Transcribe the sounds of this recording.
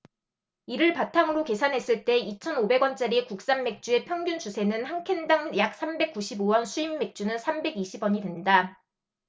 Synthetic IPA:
iɾɯɭpatʰaŋɯɾoke̞sʰanɦe̞s͈ɯɭt͈e̞it͡ɕʰʌnobe̞ɡwʌnt͡ɕ͈aɾikuk̚s͈anːe̞k̚t͡ɕ͈ue̞pʰjʌŋɡjunt͡ɕusʰe̞nɯnhaŋkʰe̞ndaŋjak̚s͈ʰambe̞k͈uɕʰibowʌnsʰuimːe̞k̚t͡ɕ͈unɯnsʰambe̞ɡiɕʰibwʌɲidwe̞nda

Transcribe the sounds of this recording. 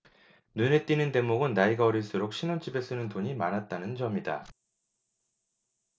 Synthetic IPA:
nune̞t͈inɯnte̞moɡɯnːaiɡaʌɾiɭs͈uɾok̚ɕ͈ʰinont͡ɕ͈ibe̞s͈ɯnɯntoɲimanɦat̚t͈anɯnt͡ɕʌmida̰

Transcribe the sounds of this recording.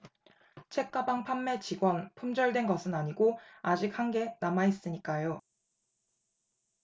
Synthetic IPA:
t͡ɕʰe̞k̚k͈abaŋpʰamːe̞t͡ɕiɡwʌnpʰumd͡ʑʌɭdwe̞nɡʌsʰɯnaɲiɡoad͡ʑik̚haŋɡe̞namais͈ɯɲik͈ajo

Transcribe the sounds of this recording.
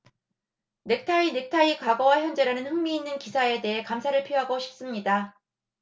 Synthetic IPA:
nek̚tʰainek̚tʰaikwaɡʌwaçjʌnd͡ʑe̞ɾanɯnɸɯŋmiːnːɯnkisʰae̞de̞ɦe̞kamsʰaɾɯɭpʰioɦaɡoɕʰi̥p̚s͈ɯmɲida

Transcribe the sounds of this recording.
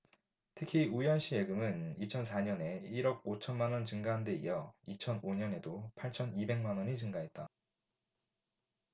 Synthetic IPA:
tʰɯkʰiujʌnɕ͈ʰie̞ɡɯmɯnit͡ɕʰʌns̬ʰaɲʌne̞iɾʌɡ̚ot͡ɕʰʌnmanwʌnt͡ɕɯŋɡaɦande̞ḭjʌit͡ɕʰʌnoɲʌne̞dopʰaɭt͡ɕʰʌnibe̞ŋmanwʌɲit͡ɕɯŋɡaɦe̞t̚t͈a

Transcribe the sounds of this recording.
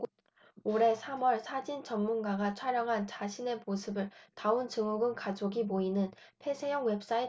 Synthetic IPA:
oɾe̞sʰamwʌɭsʰad͡ʑint͡ɕʌmːunɡaɡat͡ɕʰwaɾjʌŋɦant͡ɕaɕʰine̞mosʰɯbɯɭtaunt͡ɕɯŋuɡɯnkad͡ʑoɡimoinɯn | pʰe̞sʰe̞jʌŋwe̞p̚s͈ae

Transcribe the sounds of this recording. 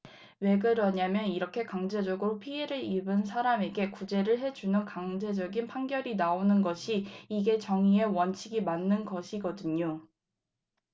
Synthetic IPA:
we̞ɡɯɾʌɲamjʌniɾʌkʰe̞kaŋd͡ʑe̞d͡ʑʌɡɯɾopʰieɾɯɭibɯnsʰaɾame̞ɡe̞kud͡ʑe̞ɾɯɭɦe̞d͡ʑunɯnkaŋd͡ʑe̞d͡ʑʌɡinpʰaŋɡjʌɾinaonɯnɡʌɕʰiiɡe̞t͡ɕʌŋiewʌnt͡ɕʰiɡimanːɯnɡʌɕʰiɡʌdɯɲo

